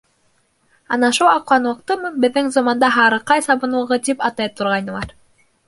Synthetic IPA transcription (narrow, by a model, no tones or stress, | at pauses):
ɑnɑʃulˠɑquɑnŭɤq̚t̪ɤmɤbɘ̆ðːɘŋzɑmɑnd̪ɑɦɑɾɤqɑjsɑβɤ̆nŭʁɤt̪ipɑt̪ɑjt̪ŏɾʁɑjnɤ̆lˠɑɾ